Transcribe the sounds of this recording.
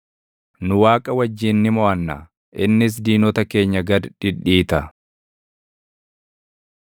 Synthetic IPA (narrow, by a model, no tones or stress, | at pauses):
nʊwaːkʼɐwɐd͡ʒːiːnːɪmɔʔɐnːa̰ː | ʔɪnːɪs̬d̪iːnɔt̪ɐke̞ːɲːɐɡɐd̪ᶑɪᶑːiːt̪ɐ